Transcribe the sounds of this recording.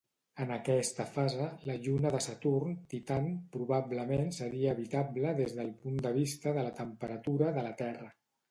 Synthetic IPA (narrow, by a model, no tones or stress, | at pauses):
ənəkɛst̪əfazələʎunəðəsət̪urnt̪it̪anpɾuβabləmensəɾiəːβit̪abləðezðəlˠpund̪əβ̞ist̪əðələt̪əmpəɾət̪uɾəðələt̪ɛrə